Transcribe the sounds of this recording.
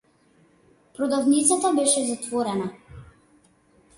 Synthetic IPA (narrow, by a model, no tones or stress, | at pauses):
pɾɔd̪avnit̪sat̪abɛʃɛzat̪vɔɾɛna